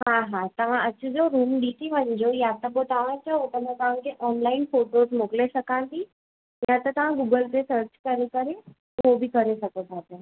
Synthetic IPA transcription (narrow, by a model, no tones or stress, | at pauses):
ɦãɦãt̪ɐʋ̤ãʔɐt͡ɕəd͡ʑoɾuːmɗiʈ̪iʋə̃ɲd͡ʑojat̪əboʈ̪ʰaʋə̃t͡ɕəɦot̪ɐm̤ãt̪ɐʋ̤ãkʰeʔɔːnlaːɪnfoːʈozmoklesɐkãnt̪i | jãt̪ət̪ɐʋ̤ãɡuːɡəlɾesəɾt͡ɕkəɾekəɾe | ɦobikɐɾesɐkot̪ʰat̪e